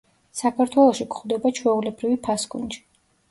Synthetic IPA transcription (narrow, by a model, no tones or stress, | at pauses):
sakʰaɾt̪ʰwɛlˠɔʃikχwd̪ɛbat͡ʃʰwɛulɛbɾivipʰasɡṵnd͡ʒi̥